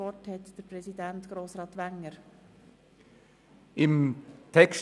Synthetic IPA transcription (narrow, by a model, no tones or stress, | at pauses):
ɔthɛtd̥əɾpɾɛsidæntɡ̥ɾoːsɾɑːt̪ʋæŋːəɾ | ɪmt̪ʰɛkʃ